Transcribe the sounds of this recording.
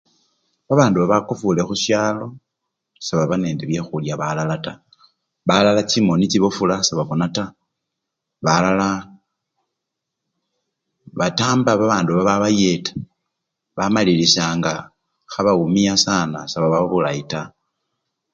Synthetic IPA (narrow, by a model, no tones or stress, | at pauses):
βaβaːnduβaβakufulexuʃjaːlo̞ | saβaβane̞ːndeβje̞xuljaβalalata | βalalat͡ʃimonit͡siβofulasaβaβonata | βalala | βataːmbaβaβaːnduββaβaβaje̞tḁ | βamalilisaːŋɡa | xaβaumiasana̰saβaβaβulaita